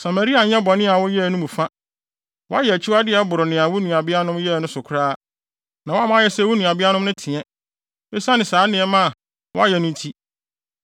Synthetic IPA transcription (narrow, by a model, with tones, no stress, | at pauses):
sa˨ma˨ɾi˦a˨ɲɛ̃˦bɔ˨nɪ̃˦a˨wɔ˦jɛ˦˨nʊ̃˦mũ˨fã˦ | wɔ˦a˦jɛ˨æ˨t͡ɕʰu˦a˦dɪ˦ɛ˦bʊ˨ɾʊ˨nɪ̃˨a˨wu˦nũ˨a˨bɪ˦a˦nʊ̃˦mjɛ˦˨nʊ̃˦sʊ˨kʰʊ˨ɾaː˦ | nã˨wɔ˦a˦mã˦jɛ˦sɛ˦wu˦nũ˨a˨bɪ˦a˦nʊ̃˦m˦nʊ̃˦tʰɪ̃˨ɛ̃˦ | e˦sa˦nɪ̃˨saː˨˦nɪ̃˨ɛ˦mã˦˨ | wɔ˦a˦jɛ˨nʊ̃˦tʰi˦